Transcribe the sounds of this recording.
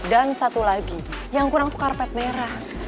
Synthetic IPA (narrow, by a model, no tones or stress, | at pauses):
dansat̪ulaɡijaŋkuɾaŋt̪u̥karpɛt̪̚meɾah